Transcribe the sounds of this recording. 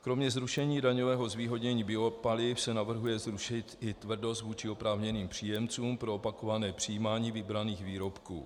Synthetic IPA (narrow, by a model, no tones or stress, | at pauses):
kɾo̞mɲɛzɾuʃɛɲiːdaɲovɛːɦo̞zviːɦo̞ɟɲɛɲiːbɪo̞palɪfsɛnavr̩ɦujɛzɾuʃɪt̪ɪt̪vr̩do̞st̪vuːt͡ʃɪo̞pɾaːvɲɛniːmpr̝̥iːjɛmt͡suːmpɾo̞opako̞vanɛːpr̥ijiːmaːɲiːvɪbɾaniːxviːɾo̞pkṵː